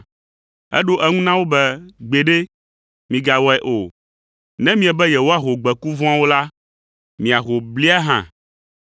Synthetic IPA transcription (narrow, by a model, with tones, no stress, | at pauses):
ɛ̰˦ɖo˦ʔɛ˦ŋũ˦nã˦wo˦bɛ˦ɡ͡be˨ɖe˦ | mĩ˨ɡa˨wɔ˦ɛ˦ʔo˨ | nɛ̃˦mĩ˦ɛ˨bɛ˦jɛ˨wo˦a˦ɦo˨ɡ͡bɛ˨ku˦vɔ̃˦a˦wo˦la˦ | mĩ˨a˨ɦo˨bli˦a˦ɦã̰˦˨